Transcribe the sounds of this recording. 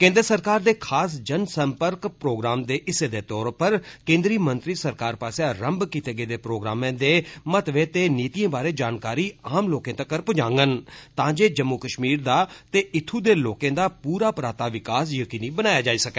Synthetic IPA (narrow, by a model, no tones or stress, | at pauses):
kẽːnd̪əɾsəɾkaːɾd̪eːkʰaːs̬d͡ʒənsəmpəɾkpɾoːɡɾaːmd̪eːʔɪseːd̪eːt̪ɔːɾpəɾkẽːnd̪ɾiːmənt̪ɾiːsəɾkaːɾpaːseaɾəmbkiːt̪eːɡəːd̪eːpɾoːɡɾaːmẽːd̪eːmət̪ʋeːt̪eːniːt̪ijãːbaːɾeːd͡ʒaːnkaːɾiːaːmloːkẽːt̪aːkəɾpd͡ʒãːŋɡənt̪ãːd͡ʒeːd͡ʒəmːʊkəʃmiːɾd̪aːt̪eːʔɪt̪ʰːuːd̪eːloːkẽːd̪aːpuːɾaːpɾaːt̪aːʋɪkaːs̬jəkiːnĩːbənaːjaːd͡ʒaːiːsəkɛː